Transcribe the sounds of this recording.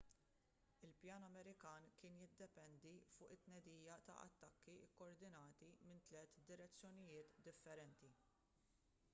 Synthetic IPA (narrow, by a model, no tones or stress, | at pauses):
ɪlpjɐːnɐmɛɾɪkɐːnkɪːnjɪd̪ːɛpɛnd̪ifʊːʔɪt̪ːnɛd̪iːjɐt̪ɐ̰ʔɐ̰t̪ːɐkːiɪkːɔɾd̪ɪnɐːt̪imɪnt̪lɛːt̪d̪ɪɾɛt͡sːjɔnɪjɪːt̪d̪ɪfːɛɾɛnt̪i